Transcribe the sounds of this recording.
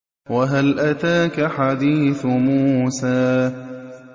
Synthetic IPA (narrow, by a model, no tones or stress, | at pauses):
waɦalʔat̪aːkaħad̪iːθʊmuːsaː